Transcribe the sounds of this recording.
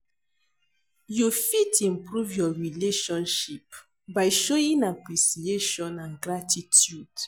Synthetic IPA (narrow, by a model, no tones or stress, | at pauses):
jufitĩmpɹuvjɔɹileʃɔ̃nʃip̚ | baɪʃoĩŋapɹisieʃɔ̃nãnɡɹatitʰjud̥